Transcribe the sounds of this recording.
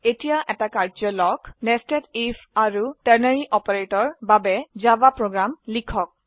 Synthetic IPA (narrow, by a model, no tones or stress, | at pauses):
etijaʔɛtakaɹzɔlɔknɛstɛtifaɹutɛɹneɹiʔɔpɔɹetɔɹbabɛzabapɹoɡɹamlikʰɔk̚